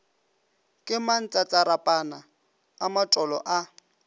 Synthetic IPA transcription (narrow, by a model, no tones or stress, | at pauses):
kʼɪman̩t͡sʼat͡sʼaɾapʼanaː | matʼɔlɔʔa